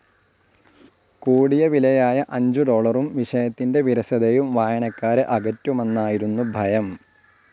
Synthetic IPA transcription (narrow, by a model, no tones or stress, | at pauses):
kuːɽijɐʋilɐjaːjɐʔɐɲd͡ʑud̪o̞ːɭɐrumʋiʂɐjɐt̪ːinde̞ʋiɾɐsɐðejumʋaːjɐɳɐkːaːɾɨʔɐɡɐtːumenːaːjiɾunːubʱɐjɐm